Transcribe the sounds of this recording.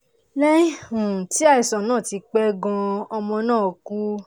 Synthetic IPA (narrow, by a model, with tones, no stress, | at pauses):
lɛ˦i˦hũ˨ti˨˦a˦˨i˨sɔ̃˨nãː˦˨ti˧k͡pɛ˦ɡã˧ɔ˧mɔ̃˧nãː˦˨o˨˧ku˦